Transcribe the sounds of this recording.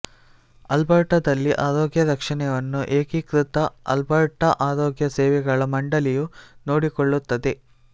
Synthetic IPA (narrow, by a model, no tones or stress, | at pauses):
ɐlbɐɾʈɐd̪ɐlːiʔaːɾoːɡjɐɾɐkʂɐɳɛʋɐnːuʔeːkikɾut̪ɐɐ̰lbɐɾʈɐʔaːɾoːɡjɐsɛːʋɛɡɐɭɐmɐɳɖɐlijunoːɽikoɭːut̪ːɐd̪e̞